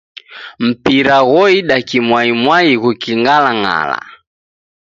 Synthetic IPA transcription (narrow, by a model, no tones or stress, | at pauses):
m̩piɾaɣɔiɗakimwaimwaiɣukiŋɡalaŋa̰la̰